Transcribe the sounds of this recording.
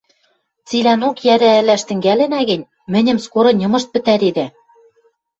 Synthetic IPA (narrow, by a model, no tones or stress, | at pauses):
t͡silænokjæɾæɘ̆læʃt̪ɘ̆ŋɡælɘ̆næɣɘ̆nʲ | mɘ̆nʲɘ̆mskoɾɤ̆nʲɤ̆mɤ̆ʃt̪̚pɘ̆t̪æɾed̪æ